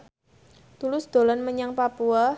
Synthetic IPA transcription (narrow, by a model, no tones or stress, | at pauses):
t̪ulʊsd̪̥o̤lɔnməɲaŋpapua